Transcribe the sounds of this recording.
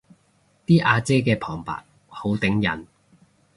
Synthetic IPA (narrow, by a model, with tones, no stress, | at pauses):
t̪iː˥ʔaː˧t͡seː˥kɛː˧pʰɔː˨˩ŋpa̰ː˨˩t̚ | ho˨˥wt̪ɪ˨˥ŋjɐ̰˨˩n